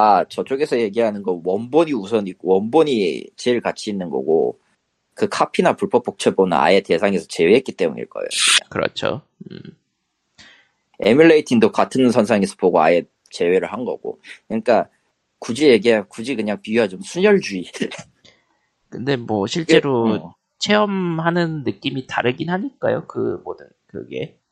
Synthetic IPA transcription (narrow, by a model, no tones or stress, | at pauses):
at͡ɕʌt͡ɕ͈oɡe̞sʰʌje̞ɡiɦanɯnɡʌwʌnboɲius̬ʰʌnik͈owʌnboɲit͡ɕeɾɯɭkat͡ɕʰiːnːɯnɡʌ̰ɡo̰ | kɯkʰapʰinapuɭpʰʌp͈ʰːok̚t͡ɕʰʌbonɯna̰ete̞sʰaŋe̞sʰʌt͡ɕe̞weɦetk͈it͈e̞mṵɲḭɭk͈ʌ̰ḛjooɯa̰ŋkɯɾʌ̰t͡ɕʰo̰ | e̞̰miɭːeitʰindokatʰɯns̬ʰʌnsʰaŋesʰʌpoɡoa̰je | t͡ɕe̞weɾɯɭhanɡʌ̰ɡ̥o̰kɯɲik͈a | kud͡ʑijeɡiakud͡ʑikɯɲaŋpiiɦad͡ʑomsʰuɲʌɭd͡ʑui | kɯnde̞mwʌɕʰiɭt͡ɕ͈e̞ɾo | t͡ɕʰe̞ʌmɦanɯnːɯk͈imitaɾɯɡinɦaɲik͈a̰jo̰kɯ̰modɯnkɯ̰ɡe̞̰